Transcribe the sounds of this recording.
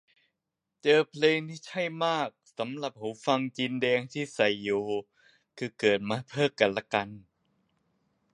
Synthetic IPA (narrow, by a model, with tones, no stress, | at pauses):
t͡ɕɤː˧pʰleː˧ŋt̪ʰiː˥˩t͡ɕʰa˥˩jmaː˥˩k̚sa˩˦mla˨˩p̚ho˩˦fa˧ŋt͡ɕi˧ndɛː˧ŋt̪ʰiː˥˩sa˨˩jːoː˨˧˩ | kʰɯː˧kɤː˨˩t̪̚maː˧pʰɤː˥˩ŋka˧nla˦˧˥ka˧n